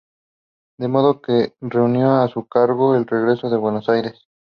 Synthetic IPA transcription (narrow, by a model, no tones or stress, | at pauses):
d̪emo̞ðokere̞unjoasukaɾɣoelre̞ɣɾe̞so̞ðe̞βwenosajɾes